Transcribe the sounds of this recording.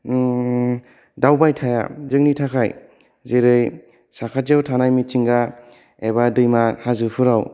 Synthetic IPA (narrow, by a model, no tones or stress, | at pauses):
dawbajtʰaja̰zɯŋnitʰakʰaj | zeɾɯj | sakʰaawtʰanajmit͡ʃiŋɡa | ebadɯjmahazɯpʰɯɾaw